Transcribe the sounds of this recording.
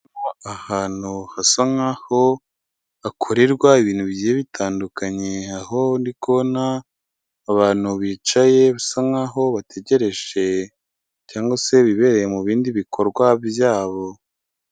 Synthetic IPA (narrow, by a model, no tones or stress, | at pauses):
aahaːn̥uhasaŋaho | akʰoɾeɾɡwaiβiːn̥huβiɟijeβitʰaːndukaɲe̞aho̞ndikʰo̞naː | βaːn̥huβiːt͡ʃaje̞βasaŋaɦo̞βate̞ɟe̞ɾe̞ʒe̞ | caːŋɡwase̞βiβe̞ɾe̞jemuβiːndiβikʰo̞ɾɡwaβjaːβo̞